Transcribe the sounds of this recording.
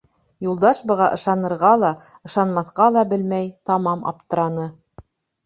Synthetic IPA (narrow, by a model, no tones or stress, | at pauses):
julˠd̪ɑʃbɤ̆ʁɑʔɤ̆ʃɑnɤ̆ɾʁɑlˠɑ | ɤ̆ʃɑnmɑθqɑlˠɑbɘlmæjt̪ɑmɑmʔɑ̰p̚t̪ɤ̆ɾɑnɤ